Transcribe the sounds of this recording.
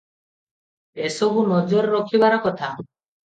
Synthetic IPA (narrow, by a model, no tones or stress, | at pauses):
esɔbʱunɔd͡ʒɔɾɾɔkʰiβaɾakɔt̪ʰa